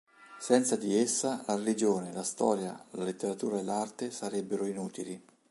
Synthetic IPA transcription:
sɛnt̪sad̪iesːalaɾelid͡ʒoːnelast̪ɔ̰ːɾjalalet̪ːeɾat̪uːɾaelːart̪esaɾɛbːeɾoinuːt̪ili

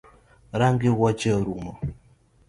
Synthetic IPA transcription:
ɾaŋɡɪwɔt͡ʃɛɾumɔ

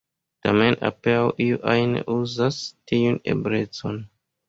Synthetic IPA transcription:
tamena̰peawʔiuʔajnḛʔuzastiunḛbɾe̞t͡so̞n

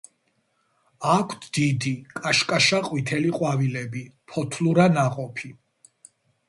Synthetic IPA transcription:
akʰt̪ʰd̪̥id̪ikʼaʃkʼaʃaqʼwit̪ʰɛliqʼwavilɛbipʰɔt̪ʰluɾanaqʼɔpʰi

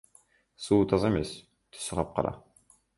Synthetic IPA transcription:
suːt̪ʰɑzɑemes | t̪ʰy̥sːəʁɑp̚qʰɑ̰ɾɑ̰

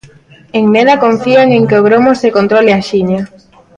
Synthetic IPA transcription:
eŋneðɐkoɱfiaŋeŋkeoɣɾomosekont̪ɾoleaʃiɲa

